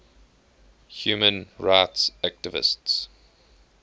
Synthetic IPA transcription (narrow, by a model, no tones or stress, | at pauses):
hjuːmə̃nɹaɪtsæk̚tɪvɪ̰sts